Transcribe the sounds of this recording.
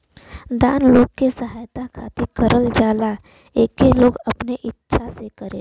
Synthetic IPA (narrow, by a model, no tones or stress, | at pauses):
d̪aːnloːɡkesəɦaːjt̪akʰaːt̪ikəɾəld͡ʒaːla | eːkːeloːɡɐpneʔɪtːʃʰasekəɾẽ